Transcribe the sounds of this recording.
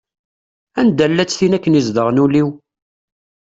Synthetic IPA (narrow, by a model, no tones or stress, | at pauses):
ænd̪ælːæt͡sːθinækːənizd̪əʁnuliw